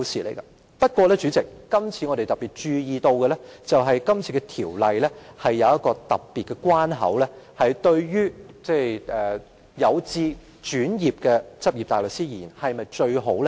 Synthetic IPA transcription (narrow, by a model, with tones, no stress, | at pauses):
siː˨lḛ˨˩jɡɐ˧ | pɐ˥t̚kʷɔː˧lɛː˥t͡ʃyː˨˥t͡sɪ˨kːɐ˥mt͡sʰiː˨˧ŋɔ˨˧ɾe˨jt̪ɐ˨pi˨t̚t͡ʃyː˧jiː˨t̪o˧wkɛ˧ɛ˥t͡sɐ˨wɦɐ˨jkɐ˥mt͡sʰiː˨˧kɛ˧t̪ʰiː˨˩wlɐ˨jlɛː˥hɐ˨jːɐ˨˧wɐ˥t̚kɔː˧t̪ɐ̰˨˩p̚piː˨t̚kɛ˧kwaː˥nɦɐ̰˨˥wlɛː˥hɐ˨jt̪ɵ˧ɥjyː˥t͡sɛː˥˩ʔɛː˨ | jɐ˨˧wt͡siː˧ | t͡ʃyː˨˥njiː˨p̚kɛː˧t͡sɐ˥p̚jiː˨p̚t̪aː˨jlɵ˨k̚siː˥ji˨˩˨i˨˩nhɐ˨jmɐ˨jt͡ʃɵ˧ɥɦo˨˥wlɛ˥